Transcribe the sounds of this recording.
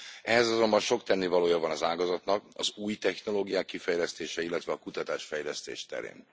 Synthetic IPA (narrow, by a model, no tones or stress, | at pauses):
ɛɦɛzɒzo̞mbɒnʃo̞kt̪ɛnːevɒloːjɒvɒnɒzaːɡɒzɒt̪nɒkɒ̰zuːjt̪ɛxno̞loːɡijaːkːifɛjlɛst̪eːʃɛilːɛt̪vɛɒkut̪ɒt̪aːʃfɛjlɛst̪ḛːʃt̪ɛ̰ɾḛːn